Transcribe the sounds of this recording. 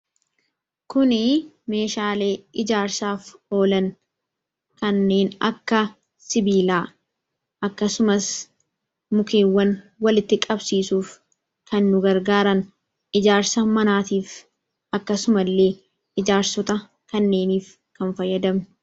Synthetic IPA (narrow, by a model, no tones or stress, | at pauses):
kʊnɪ | me̞ːʃaːle̞ːʔɪd͡ʒaːɾsaːfo̞ːlɐn | kɐnːe̞ːnɐkːɐ | sɪbiːlaː | ʔɐkːɐsʊmɐs | mʊke̞ːwːɐn | wɐlɪt̪ːɪkʼɐbsiːsuːf | kʰɐnːʊɡɐɾɡaːɾɐn | ʔɪd͡ʒaːɾsɐmɐnaːt̪iːf | ɐkːɐsʊmɐlːe̞ː | ʔɪd͡ʒaːɾsɔt̪ɐ | kɐnːe̞ːniːf | kɐnfɐjːɐd̪ɐm